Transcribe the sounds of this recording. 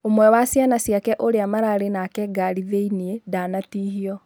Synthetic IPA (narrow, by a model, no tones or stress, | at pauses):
omwɛwasjanasiakɛʔoɾeamaɾaːɾenakɛɡaɾiðeiniedanatiːhiɔ